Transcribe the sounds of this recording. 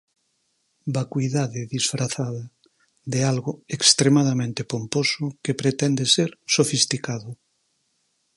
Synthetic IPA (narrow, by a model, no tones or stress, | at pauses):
bakwiðaðɪðisfɾaθaðɐ | ðealɣʊekst̪ɾemaðamẽnt̪epomposʊkepɾet̪ɛnd̪eseɾsofist̪ikaðʊ